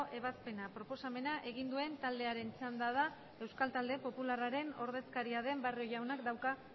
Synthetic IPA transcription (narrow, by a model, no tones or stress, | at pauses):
ʔe̞β̞aspe̞napɾo̞po̞same̞naʔe̞ɣ̞ind̪ue̞nt̪ald̪e̞aɾe̞nt͡sand̪að̞a | e̞wskalt̪ald̪e̞po̞pularaɾe̞no̞̰ɾðe̞skaɾiað̞e̞mbario̞ʝawnakd̪awka